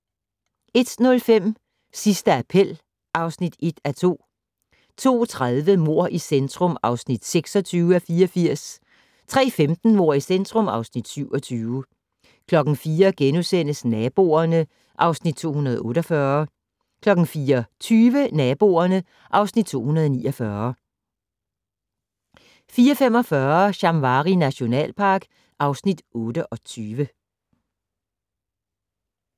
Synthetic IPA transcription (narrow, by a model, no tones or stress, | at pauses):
e̝d̥nɔ̽lfem̰ | sisd̥əæpʰel̰ | ʔɑ̈ʊsnid̥e̝d̥æt͡sʰo̝̰ː | t͡sʰo̝̰ːt͡sʰʁaðˠʋəmo̝ɐ̰ʔisend̥ʁɔ̽mɑ̈ʊsnid̥seɡ̥sɒ̽t͡sʰyːʊæfiːɐfiɐ̰s | t͡sʰʁɛ̰ːfemd̥n̩mo̝ɐ̰isend̥ʁɔ̽mɑ̈ʊsnid̥syʊɒ̽t͡sʰyːʊə | kʰlɒ̽ɡ̥n̩fiːɐɡ̥enusen̰əsnɛb̥o̝̰ːɐnə | ʔɑ̈ʊsnid̥̚t͡sʰo̝̰ːhunɐð̞̩ˠɔ̽ːɾɒfɶɐ | kʰlɒ̽ɡ̥n̩fiːɐt͡sʰyːʋənɛːb̥o̝̰ːɐnə | ʔɑ̈ʊsnid̥̚t͡sʰo̝̰ːhunɐð̞̩ˠɒniːʔɒ̽fɶɐ | fiːɐfem̰ɒ̽fɶɐɕɑ̈mʋɑ̈ːʁinæɕo̝nɛ̰ːlpʰɑ̈ːɡ̥ | ʔɑ̈ʊsnid̥ʔɔ̽ːd̥əʔɒ̽t͡sʰyːʋə